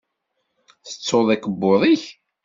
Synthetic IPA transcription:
θə̥t͡sːoðˤækəbːoðˤiç

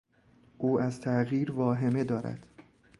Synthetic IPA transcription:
ʔuːæzt̪ʰæɣiːɾvɒːɦe̞me̞d̪ɒːɾæ̰d̪̥

